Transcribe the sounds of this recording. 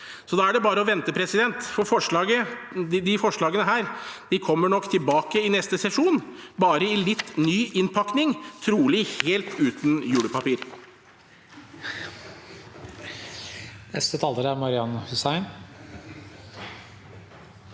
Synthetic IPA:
sɔd̪ɑːæɖɛbɑːɾəɔʋɛnt̪əpʰɾɛsɪd̪ɛnt̪fɔɾfɔʂɭɑːɡəd̪ɪfɔʂɭɑːɡənəɦæːɾd̪̥ɪkʰɔmːəɳɔkːt̪ʰɪlbɑːkəɪnɛst̪əsɛʂuːnbɑːɾəɪlɪt̪ːnyːʔɪnpʰɑknɪŋt̪ʰɾuːlɪheːlt̪ʉːt̪n̩jʉːɽəpɑpiːɾ | nɛst̪ət̪ʰɑːləɾæɾmɑɾɪɑnhʉsæɪn

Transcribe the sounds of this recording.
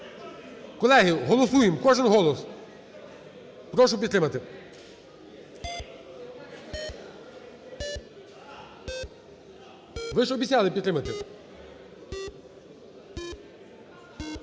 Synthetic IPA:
kɔlˠɛɦɪɦɔlˠɔsujɪmkɔʒɪnɦɔlˠɔs | pɾɔʃ̬ʊpʲid̪t̪ɾɪmɐt̪ɪ | ʋɪʒɔbʲit̪ʲsʲalˠɪpʲt̪t̪ɾɪmɐt̪ɪ

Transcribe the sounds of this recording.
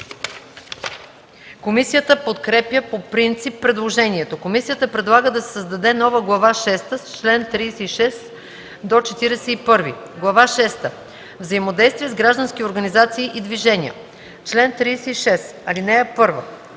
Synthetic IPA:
komisijət̪əpot̪kɾɛpjəpopɾint̪sipːɾɛd̪lˠoʒɛniɛt̪okomisijət̪əpɾɛd̪lˠaɡəd̪ɐsɛ̥səzd̪ɐd̪ɛnɔvəɡlˠɐvaʃɛst̪əst͡ʃlɛnt̪ɾiːsɛiʃɛs | d̪ot͡ʃɛt̪iɾɛsɛipɤɾvi | ɡlˠɐvaʃɛst̪ə | vzɐimod̪ɛjst̪vʲiɛzɡɾaʒd̪ənskʲioɾɡɐnizat̪siːʔid̪viʒɛnʲiə̰ | t͡ʃlɛnt̪ɾiːsɛiʃɛs | ɐlinɛɛpɤɾvə

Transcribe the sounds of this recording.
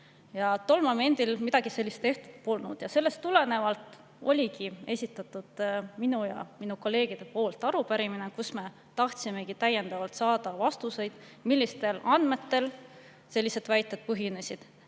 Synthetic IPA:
jɑt̪o̞lmɑme̞nd̪̥ilmid̪̥ɑɡ̥ise̞lːist̪e̞ht̪u̥d̪̥̚polnṵd̪̥jɑse̞lːe̞st̪ule̞ne̞vɑlt̪ˑ | o̞̰lʲikie̞sʲit̪ːˑɑt̪ːˑud̪̥minujɑ̰minuko̞lːe̞ːɡ̥id̪̥e̞po̞ːlt̪ːˑɑɾupæɾiminekusme̞ | t̪ɑht̪sime̞ɡit̪æjːe̞nd̪ɑvɑlt̪sɑːd̪̥ɑvɑst̪use̞jd̪̥ | milʲːist̪e̞lɑnd̪me̞t̪ːe̞l | se̞lːise̞d̪̥væjt̪ːˑe̞d̪̚pɤɦine̞sʲid̪̥

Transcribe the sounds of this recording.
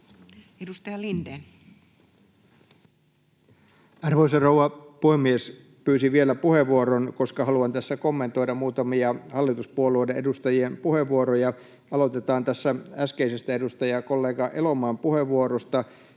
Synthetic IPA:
edust̪ɑjɑlinde | ɑrʋoisɑrowɑpuhemies | pyːsiʋie̞læpuhe̞ʋːuoɾonko̞skɑɦɑluɑnt̪æsːækomːe̞nt̪o̞jdɑmuːt̪ɑmiɑhɑlːit̪uspuoluojdeʔe̞dust̪ɑjiempuheʋːuoɾojɑ | ɑlo̞t̪e̞t̪ɑːnt̪æsːææskeisest̪æedust̪ɑjɑko̞lːeːɡɑʔe̞lo̞mɑːmpuheʋːuoɾost̪ɑ

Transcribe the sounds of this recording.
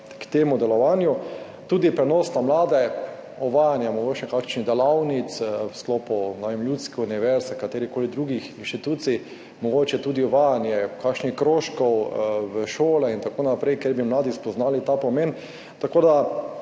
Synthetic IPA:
kt̪eːmʊd̪ɛlɔʋanju | t̪uːd̪ipɾɛnɔːsnamlaːd̪ɛ | ɔʋajanjamɔɡoːt͡ʃɛkakʃnid̪ɛlawnit̪swsklɔpʊnaʋemljut̪skɛuniʋɛɾsɛkat̪eːɾikoːlid̪ɾuːɡixinʃt̪it̪uːt̪si | mɔɡoːt͡ʃɛt̪uːd̪iɔʋajanjɛkakʃnixkɾoʃkɔwʋəʃoːlɛint̪akoːnapɾɛjkɛɾbimlaːd̪ispɔznaːlit̪apɔmen | t̪akoːd̪a

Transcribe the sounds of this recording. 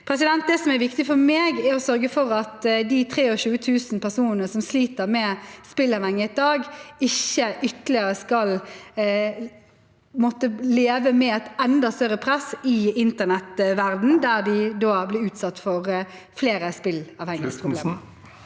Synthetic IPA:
pʰɾɛsɪd̪ɛnt̪̚d̪ɛsɔmæɾʋɪkt̪ɪfɔɾmeːɡæɾɔsœɾɡəfɔɾɑt̪d̪it̪ʰɾeːɔʃʉːət̪ʰʉːsnpʰæʁsuːnənəsɔmsliːt̪əɾmɛspɪlɑʋhɛŋːəɪd̪ɑːɡɪçːəʔʏt̪əlɪəɾəskɑl | mɔt̪ːəleːʋəmɛɛt̪ɛnd̪ɑst̪œɾəpʰɾɛsɪɪnt̪ənɛt̪ʋæʁd̪n̩d̪æʁd̪ɪd̪oːblɪʉːt̪sɑt̪ːfɔʁ | fleːɾəspɪlɑʋhɛŋːəspʰʁʊbl̰ːm

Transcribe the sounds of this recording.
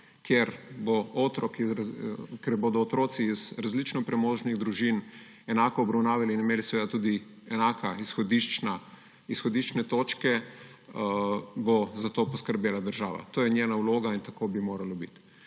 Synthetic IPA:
kjeɾbɔoːt̪ɾɔki | kɛɾboːd̪ɔːt̪ɾoːt̪siːzɾazlit͡ʃnɔpɾɛmoːʒniɣd̪ɾuʒin | ɛnaːkɔːbɾɐwnaːʋjaliːnimeːlisɛʋeːd̪at̪uːd̪i | ɛnaːkaisxɔd̪iʃt͡ʃna | isxɔd̪iʃt͡ʃnɛt̪oːt͡ʃkɛ | bɔzat̪oːpɔskəɾbjeːlad̪əɾʒaːʋa̰t̪oːjɛnʲjenauwloːɡaint̪akoːbimoːɾalobḭt̪

